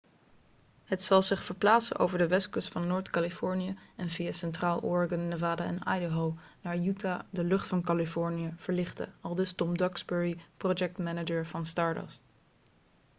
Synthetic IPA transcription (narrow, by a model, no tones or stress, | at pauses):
ɦətsɑlˠzɪχfəɹplaːtsə̰nʔo̰wvəɹdəʋɛskɵstfɑnːoːɹtkalifɔɹnijəɛnvijasɛntraːlˠɔ̰ːɹɡənːəvaːdaɛ̰na̰jdəɦolnaːɹjutadəlɵχtfɑnkalifɔɹnijəv̥əɹlɪχtə̰ɑlˠdɵstɔmdɑɡsbɛɹiprod͡ʒɛk̚tmɛnəd͡ʒəɹvɑnstɑːɹdɔ̰s